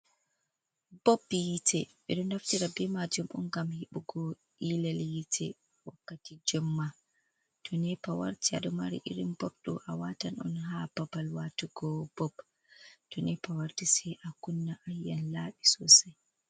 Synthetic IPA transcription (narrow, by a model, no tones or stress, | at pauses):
bɔbijitʰɛɓɛ̰ɗɔnaftiɾabɛmad͡ʒumʔɔnɡamhiɓuɡɔ | ʔilaljitʰɛ̰ | wakːatid͡ʒɔmːa | tʰɔnɛpawa̰ɾtia̰ɗɔmaɾḭʔiɾimbɔɗɔ̰ʔawatanɔ̰nɦapabalwatuɡɔbɔb | tɔnɛpawaɾtisɛʔakunːaʔajːanlaːɓisɔsaj